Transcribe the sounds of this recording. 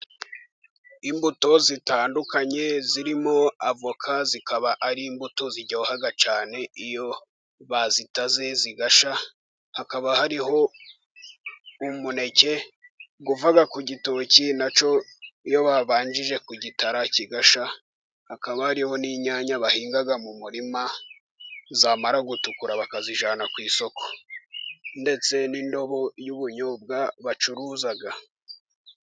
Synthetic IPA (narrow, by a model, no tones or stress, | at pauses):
imbuto̞zitaːndukaɲe̞ziɾimo̞avokʰazikʰaβaʔaɾiːmbutoziɟaohaɡat͡ʃaːne̞ijo̞ | βazitaze̞ziɡaʃa | hakaβahaɾiɦo̞ | umune̞ce̞ɡuvaɡakuɟitocinat͡ʃo̞ijo̞βaβaːɲd͡ʒiʒe̞kuɟitaɾaciɡaʃa | hakaβahaɾiho̞niɲaɲaβahiːŋɡaɡamumuɾima | zaːmaɾaɡutukuɾaβakaziʒaːnakwiːso̞kʰo̥ | nde̞t͡se̞nindo̞βo̞juβuɲob̚ɡaβat͡ʃuɾuzaɡa